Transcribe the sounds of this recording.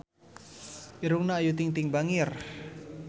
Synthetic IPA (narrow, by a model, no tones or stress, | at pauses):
ʔiɾuŋnaːjut̪iŋt̪iŋbaŋir